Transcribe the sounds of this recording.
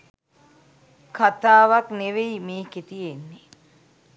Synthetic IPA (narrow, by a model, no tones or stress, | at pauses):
kat̪aːʋakneʋeimeːket̪ijenːe